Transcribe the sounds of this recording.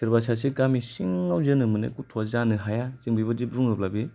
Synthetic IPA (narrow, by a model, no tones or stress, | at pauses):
siɾbasasikamisiŋːawzɯnɯmɯnḛkutʰozanɯɦajaziŋbibad͡ʒibɾuŋɾɯp̚labi